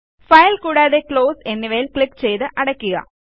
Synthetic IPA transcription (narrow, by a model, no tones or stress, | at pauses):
fɐjlkuːɽaːðe̞kɭo̞ːse̞nːiʋɐjilkɭikːt͡ɕe̞jt̪ɨʔɐɽɐkʲːuɣɐ̰